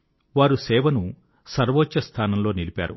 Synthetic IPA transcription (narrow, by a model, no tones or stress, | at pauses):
ʋaːɾusɛːʋɐnu | sɐɾʋoːtːɐst̪ʰaːnɐmlo̞ːnilipa̰ːɾṵ